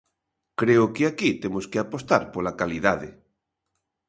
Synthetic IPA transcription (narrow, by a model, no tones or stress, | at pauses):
kɾeokeakit̪emoskeapost̪aɾpolakaliðaðe